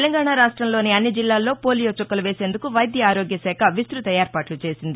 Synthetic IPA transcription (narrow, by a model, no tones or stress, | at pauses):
elɐŋɡaːɳaɾaːʂʈɾɐmlo̞ːniɐnːid͡ʒilːaːlːo̞ːpoːlijoːt͡ʃokːɐluʋe̞ːse̞ːnd̪ukuʋɐjd̪jɐaːɾo̞ːɡjɐsɛːkʰɐʋist̪ɾut̪ɐjaːɾpaːʈlut͡ʃe̞ːsind̪i